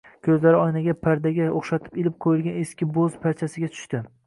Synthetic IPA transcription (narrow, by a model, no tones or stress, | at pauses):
kʲʰɵzlaɾɪɒjnaɡʲapʰaɾd̪aɡʲaoχʃat̪ʰɪ̥pelɪp̚qʰojɪlɡʲaneskʲɪbozpʰaɾt͡ʃʰasɪɡʲat̪ʰʊ̥ʃt̪ɪ